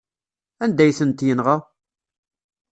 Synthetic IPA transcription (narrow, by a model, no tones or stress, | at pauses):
ænd̪æjθənt̪jənʁa